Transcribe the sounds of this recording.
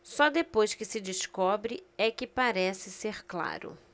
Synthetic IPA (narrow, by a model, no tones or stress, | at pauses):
sɔd̪epojskɪsɪd͡ʒɪskɔbɾɪɛkɪpaɾɛsɪseɾkla̰ɾʊ̰